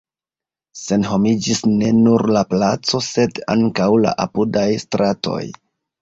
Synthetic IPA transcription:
se̞nɦo̞mid͡ʒisne̞nuɾlaplat͡so̞se̞da̰ŋkawla̰ʔapudajstɾatʰo̞̰j

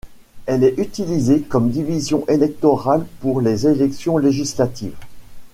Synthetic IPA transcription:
ɛlɛʔyt̪ilizekɔmd̪ivizjɔ̃ʔelɛk̚t̪ɔʁalpuʁlezelɛksjɔ̃leʒislat̪ḭːv

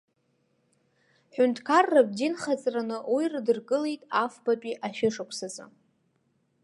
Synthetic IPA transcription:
ħᶣʊntʰʼkʰarːabdinχat͡sʼranɨwiirdɨrɡʼɨlejtʼafbapʼiʔaʃᶣɪʂakʷʰsat͡sʼɨ̰

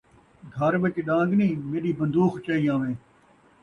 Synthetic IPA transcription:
ɡʱəɾɓət͡ʃɗãːŋɡnĩːmeːɗiːbənd̪uːxt͡ʃaːiːãːʋẽː

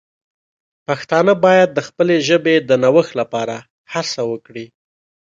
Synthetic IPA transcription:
paxt̪ɑnəbɑjad̪̚ːəxpəleʒəbed̪ənawəxlapɑɾa | hasawəkɽi

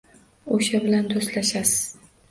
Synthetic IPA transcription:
oʃabɪland̪ost̪laʃasɪz̥

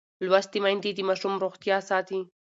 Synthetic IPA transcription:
lwast̪imajnd̪id̪əmɑʃumɾoxt̪jɑsɑt̪i

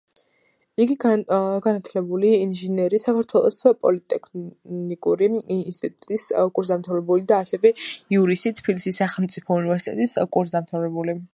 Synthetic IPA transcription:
iɡiɡanat̪ʰlɛbuliːnʒinɛɾisakʰaɾt̪ʰwɛlˠɔ̰spʼɔlit̪ʼɛkʰnikʼuɾinst̪ʼit̪ʼut̪ʼiskʼuɾzd̪amt̪ʰavɾɛbulid̪aːsɛvɛiuɾisit̪ʰbilisisːaχɛlˠmt̪sʼipʰɔunivɛɾsit̪ʼɛ̰t̪ʼiskʼuɾzd̪amt̪ʰavɾɛbuli

